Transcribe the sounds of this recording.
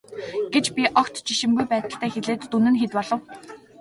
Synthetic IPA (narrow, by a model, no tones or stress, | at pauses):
ɡ̥et͡ɕpʲiʔɔkt̪t͡ɕiʃɪ̆mɡujpæːt̪ə̆ɬt̪æːxeɮeːt̪ːunɘ̆nxet̪pɔɮɞ̆w